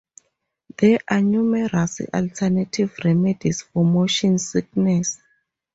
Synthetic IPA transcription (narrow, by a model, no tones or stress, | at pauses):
d̪ɛʔanumɛɾasʔaltʰɛnatʰivrɛmɛdisfɔmoʃɔ̃nsik̚nɛs